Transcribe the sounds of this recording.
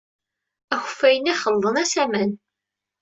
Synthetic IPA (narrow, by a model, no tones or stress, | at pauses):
æxə̥fːæjənæχəlːˤənæsæmæn